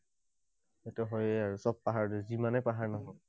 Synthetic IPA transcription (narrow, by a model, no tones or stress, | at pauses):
etɛɦɔjɛaɹusɔb̚paɦaɹdɛzimanɛpaɦaɹnɔɦɔj